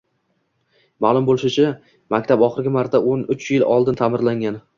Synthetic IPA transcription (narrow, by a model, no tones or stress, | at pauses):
maːlˠʊmbolˠɪʃɪt͡ʃʰa | makʲt̪ʰapɒχɨɾɡʲɪmaɾt̪ʰaʔonʊt͡ʃjɪlɒlˠd̪ɪnt̪ʰamɪɾlaŋʲan